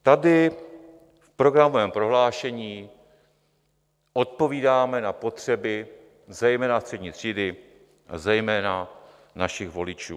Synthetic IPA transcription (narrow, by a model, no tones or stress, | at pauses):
t̪adɪ | fpɾo̞ɡɾamovɛːmpɾo̞ɦlaːʃɛɲiː | ʔo̞t̪̚po̞viːdaːmɛnapo̞t̪r̝̥ɛbɪ | zɛjmɛːnast̪r̥ɛdɲiːt̪r̝̥iːdɪ | a̰zɛjmɛːna | naʃɪɣvo̞lɪt͡ʃṵː